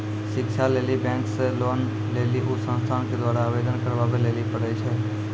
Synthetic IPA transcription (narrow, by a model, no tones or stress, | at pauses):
ʃɪkʃʰaleːlibɛ̃ːkseloːn | leliʔusə̃nst̪ʰanked̪waːɾaːbed̪ənkəɾbabeleːlipəɽɛt͡ʃʰɛ